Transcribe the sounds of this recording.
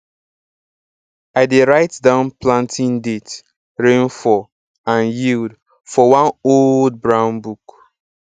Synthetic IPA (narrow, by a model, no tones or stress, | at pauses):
aɪdeɹaɪtdãʊ̃nplãntʰĩndet | ɹẽnfɔ | ãnjild | fɔwãnold̚bɹãʊ̃nbuk